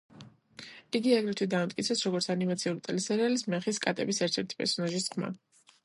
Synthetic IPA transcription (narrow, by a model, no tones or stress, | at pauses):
iɡiaɡɾit̪ʰwid̪aːmt̪ʼkʼit̪sʰɛsɾɔɡɔɾt̪sʰanimat̪sʰiulit̪ʼɛlisɛɾɛalismɛχiskʼat̪ʼɛ̰bisɛɾt̪ʰɛɾt̪ʰi̥pʼɛ̰ɾsɔnaʒisχma̰